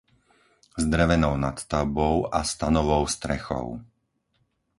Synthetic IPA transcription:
zd̪ɾɛʋɛnɔʊnat̪t̪aʊbɔʊast̪anɔʋɔʊst̪ɾɛxɔ̰ʊ

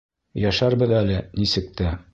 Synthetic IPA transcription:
jæʃæɾbɤðælɘnisɘ̆k̚t̪æ

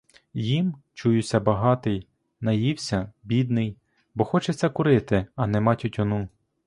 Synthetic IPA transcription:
jimt͡ʃujʊsʲɐbɐɦɑt̪ɪj | nɐjiwsʲɐbʲid̪nɪj | bɔxɔt͡ʃet͡sʲːɐkʊɾɪt̪ɪɐnɛmɑtʲʊtʲɔnu

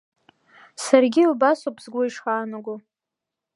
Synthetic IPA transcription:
sarɡʲilbasopʰz̥ɡʷoiʂχaːnaɡʷo

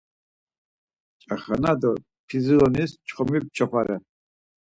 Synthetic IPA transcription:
t͡ʃʼaχanad̪ɔ | pʰizilɔnist͡ʃʰʼχɔmib̚t͡ʃʰɔχaɾɛ

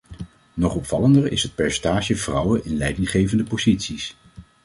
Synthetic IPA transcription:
nɔχɔpfɑləndəɹɪ̰sɦət̚pɛɹsɛntaːʒəv̥rʌwəʔɪnlɛjdɪŋχejvəndəpozitsis

